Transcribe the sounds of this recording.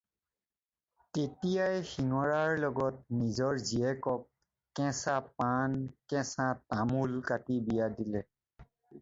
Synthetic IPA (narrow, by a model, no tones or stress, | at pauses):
tetijajxiŋɔɹaɹlɔɡɔt̚nizɔɹziɛkɔk̚ | kɛ̃sapankɛ̃satamulkatibijadilɛ